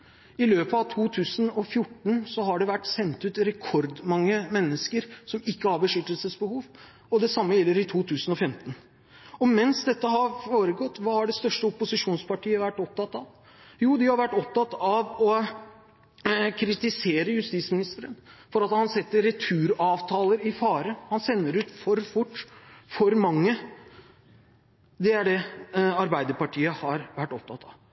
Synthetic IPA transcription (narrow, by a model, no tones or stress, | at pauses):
ɪløːpəɑʋt̪ʰuːt̪ʰʉːsənɔfjʊʈːɳ̩sɔɦɑɖɛʋæʈːsɛnt̪ʉːt̪ɾɛkʰɔɾd̪mɑŋːəmɛnːəskəɾsɔmɪkːəhɑɾbəʂʏlt̪əlsəsbəhuːʋ | ɔd̪ɛsɑmːəjɛlːəɾɪt̪ʰuːt̪ʰʉːsnɔfɛmt̪ən | ɔmɛnsd̪ɛt̪ːəɦɑɾfoːɾəɡɔt̪ːʋɑːhɑɖɛst̪œʂʈəɔpʊsɪʂuːnspɑʈʰiːəʋæʈːɔp̚t̪ʰɑt̪ːɑʋ | juːd̪ɪhɑɾʋæʈːɔp̚t̪ɑt̪ːɑʋɔ | kʰɾɪt̪ɪseːɾəjʉst̪iːt̪smɪnɪst̪əɾənfɔɾɑt̪hɑnsɛt̪ːəɾːɛt̪ʰʉːɾɑːʋt̪ʰɑːləɾɪfɑːɾəhɑnsɛnːəɾʉːt̪fɔɾfʊʈːfɔɾmɑŋːə | d̪ɛæɖɛɑɾbæɪd̪əɾpɑʈʰiːəhɑɾʋæʈːɔp̚t̪ʰɑt̪ʰːɑʋ